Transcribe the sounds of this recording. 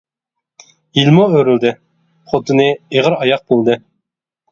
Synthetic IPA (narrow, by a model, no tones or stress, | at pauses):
ilmoøɾyld̪ɪ | χot̪ʰɨnɨeʁəɾɑjɑq̚bolˠd̪ɨ